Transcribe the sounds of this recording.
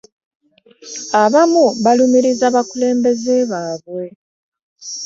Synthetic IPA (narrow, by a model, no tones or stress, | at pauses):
aβamuβalumiɾizaβakule̞ːmbe̞zeβaːβwe̞